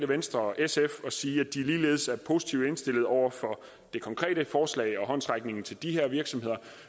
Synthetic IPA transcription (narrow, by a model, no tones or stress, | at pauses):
ləʋensd̥ʁɐɒ̽ʔesefɒ̽siːæd̥iliːle̝ːð̩ˠsæɐpʰo̝ːsi̥t͡sʰiʊ̥e̝nsd̥e̝lð̩ˠɒʊ̰ɐfɒ̽ | d̥e̝kʰɒ̽ŋkʰʁɛ̰ːɾəfɒːslɛ̰ɪɒ̽ɦɒ̽n̰t͡ssʰʁɑ̈ɡ̥ne̝ŋn̩t͡sʰe̝ld̥iɦe̝ɐʋiɐɡ̥sɒ̽mɦe̝ð̰ˠɐ